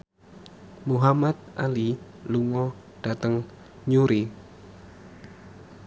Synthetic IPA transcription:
muɦamat̪̚ʔaliluŋɔ | ɖ̥at̪əŋ | ɲuɾi

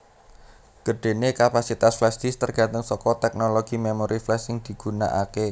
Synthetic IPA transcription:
ɡ̥ə̤ɖ̥e̤nekapasit̪asflɛsd̪̥ist̪ərɡ̥a̤nt̪əŋsɔkɔt̪ɛk̚noloɡ̥i̤memoɾʔiflɛsɪŋd̪̥i̤ɡ̥ṳna̰ʔake

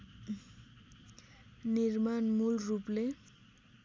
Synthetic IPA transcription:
nirmanmulruple

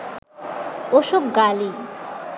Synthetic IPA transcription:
oʃobɡali

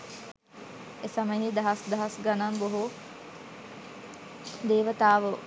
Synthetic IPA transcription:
esɐməɦiːd̪ɐɦasd̪ɐɦasɡananboɦo | d̪eːʋət̪aːʋə

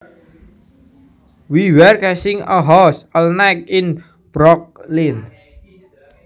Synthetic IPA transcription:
wiwɛrkɛsɪŋəɦɔsəlnak̚ɪn | b̥ɾɔk̚lin

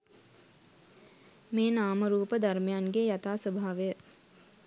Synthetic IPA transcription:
meːnaːməɾuːpəd̪armejanɡejat̪aːsəbʱaʋəjə

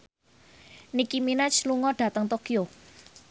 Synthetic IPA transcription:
nikiminɛt͡ʃluŋɔɖ̥ä̤t̪əŋt̪okijo

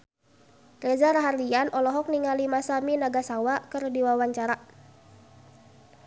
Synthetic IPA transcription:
rezaɾaɦarlianʔɔlɔɦɔk̚niŋalimasaminaɡasawakərdiwawaɲt͡ʃaɾa

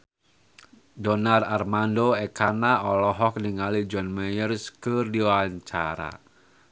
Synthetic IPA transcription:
dɔnararmandoɛkanaɔlɔɦɔk̚niŋalid͡ʒɔnmɛjərskədiwaɲt͡ʃa̰ɾa̰

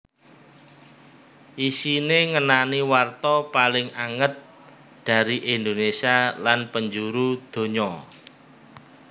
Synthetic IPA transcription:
ʔisineŋənaniwart̪ɔpalɪŋaŋət̪̚ | d̪̥ä̤ɾiʔind̪onesialanpəɲd͡ʒuɾud̪̥o̤ɲɔ

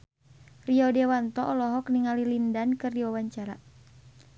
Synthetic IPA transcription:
riɔdɛwant̪ɔʔɔlɔɦɔkniŋalilindankɨrdiwawaɲt͡ʃaɾa

